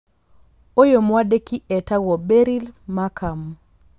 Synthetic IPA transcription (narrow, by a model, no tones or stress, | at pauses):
ojomwadekiʔɛtawɔbeɾilmakʰam